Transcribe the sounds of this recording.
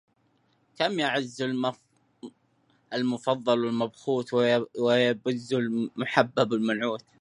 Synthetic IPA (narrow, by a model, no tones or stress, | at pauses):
kamjaʕɪzːʊl | ɪlmʊfɑðˤːɑlwɪlmabxuːt̪wɪjbʊzːʊlmʊħabːabɪlmanʕuːt̪